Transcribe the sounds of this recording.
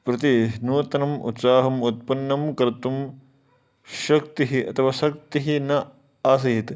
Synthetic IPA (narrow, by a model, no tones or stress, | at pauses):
pɾɐt̪inuːt̪ɐnɐmṵt̪saːɦɐmut̪̚pɐnːɐmkɐɾt̪um | ʃɐk̚t̪iɦiʔɐ̰t̪ʰɐʋaːʃɐk̚t̪iɦinɐ | aːs̬ɐɦit̪